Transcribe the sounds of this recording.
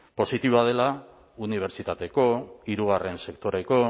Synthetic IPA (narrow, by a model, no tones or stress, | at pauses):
po̞sit̪iβoaðe̞la | uniβ̞e̞ɾt͡ʃit̪at̪e̞ko̞iɾuɣ̞are̞nse̞kt̪o̞ɾe̞ko̞